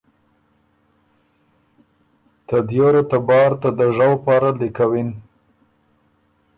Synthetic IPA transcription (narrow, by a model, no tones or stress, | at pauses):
t̪ad̪joɾat̪abɑɾt̪ad̪əʐawpɑɾalikawin